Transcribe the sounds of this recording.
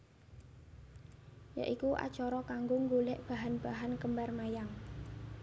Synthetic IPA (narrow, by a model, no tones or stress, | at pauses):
ja̰ʔikuʔa̰̥t͡ʃɔɾɔkaŋɡoŋɡolɛʔb̥a̤ɦanb̥aɦankəmbarmajaŋ